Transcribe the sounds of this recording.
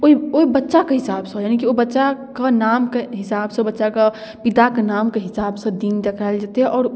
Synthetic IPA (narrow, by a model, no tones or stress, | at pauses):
oioibətːʃakeɦɪsaːbseɦojaːnikiobətːʃakenaːmkeɦɪsaːbsẽbətːʃake | pit̪akenaːmkeɦɪsaːbsə̃d̪iːnd̪ekʰaɪld͡ʒaːt̪eɦɛʔɔːɾ